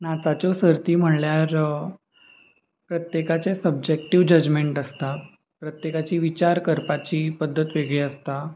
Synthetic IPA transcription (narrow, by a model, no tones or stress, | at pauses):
nat̪at͡ɕɔsəɾt̪iːm̤əɽljaɾ | pɾət̪jekat͡sesəb̚d͡ʑek̚ʈiʋd͡ʑəd͡ʑmeɳʈəst̪a | pɾət̪jekat͡ɕiːʋit͡ɕaɾkəɾpat͡ɕiːpəd̪ʱːət̪ʋeɡɭeəst̪a